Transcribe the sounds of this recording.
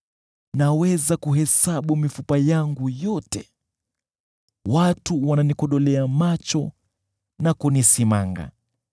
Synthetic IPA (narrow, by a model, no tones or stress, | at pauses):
nawɛzakuɦɛsaɓumifupajaŋɡujɔtɛ | watuwananikɔɗɔlɛamat͡ʃɔ | nakunisimaŋɡa̰